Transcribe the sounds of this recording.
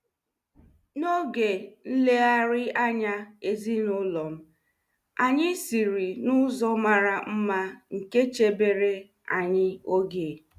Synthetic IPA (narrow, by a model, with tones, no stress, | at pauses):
no˦ɡe˨n̩˦le˦a˦ɾɪ˦a˦ɲa˦e˨zi˦nʊ˦lɔ˨m̩˦ | a˨ɲɪ˦si˨ɾi˨nʊ˦zɔ˦ma˨ɾa˨m̩˦ma˦ŋ̩˨ke˦t͡ʃe˨be˨ɾe˦ | a˨ɲɪ˦o˦ɡe˨